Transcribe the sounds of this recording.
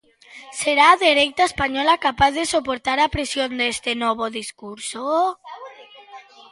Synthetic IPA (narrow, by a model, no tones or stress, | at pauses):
seɾaːðeɾejt̪aespaɲɔlakapaθðesopoɾt̪aɾapɾesjond̪est̪enɔβ̞oðiskuɾso